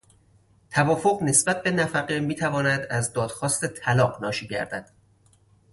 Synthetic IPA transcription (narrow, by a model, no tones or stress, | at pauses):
t̪ʰævɒːfoɢne̞sbæt̪̚be̞næfæɢemiːt̪ʰævɒːnæd̪æzd̪ɒːd̪̥xɒːst̪e̞t̪ʰælɒːɢnɒːʃiːɟæ̰ɾd̪̥æ̰d̪̥